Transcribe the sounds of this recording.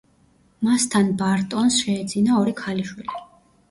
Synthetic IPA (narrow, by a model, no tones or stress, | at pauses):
mast̪ʰanbaɾt̪ʼɔnsʃɛːd̪zinaɔɾikʰaliʃwili